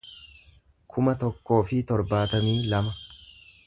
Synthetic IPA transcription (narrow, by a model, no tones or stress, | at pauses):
kʰʊmɐt̪ɔkːo̞ːfɪt̪ɔɾbaːt̪ɐmiːlɐmɐ